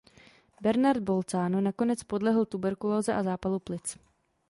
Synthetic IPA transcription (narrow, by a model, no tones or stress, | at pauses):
bɛɾnaɾd̪̚bo̞lt͡saːnunako̞nɛt͡spo̞dlɛɦl̩t̪ubɛɾkuloːzɛʔazaːpaluplɪt͡s